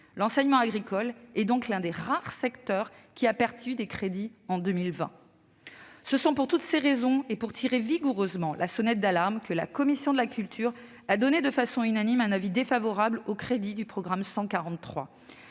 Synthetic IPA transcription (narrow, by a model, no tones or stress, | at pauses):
lɑ̃sɛɲmɑ̃aɡʁikʰɔlɛd̪ɔ̃klɛ̃d̪eʁaʁsɛkt̪œʁkʲiapɛʁt̪yd̪ekχed̪iɑ̃d̪ømilvɛ̰̃ | səsɔ̃puʁt̪ut̪seʁezɔ̃epuʁt̪ʰiʁeviɡuʁøzmɑ̃lʔa̰sɔnɛt̪̚d̪alaʁmkəla̰kɔmisjɔ̃d̪əlakʲylt̪ʰyʁ | ad̪ɔned̪əfasɔ̃ynanimɛ̃navid̪efavɔʁablokχed̪id̪ypχɔɡʁamsɑ̃kaʁɑ̃t̪ːχwa̰